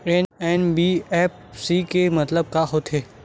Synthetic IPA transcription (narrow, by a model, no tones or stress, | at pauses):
eːnɛːnbiɛːp̚ | sikemɐt̪ləb̚kaɦot̪ʰeː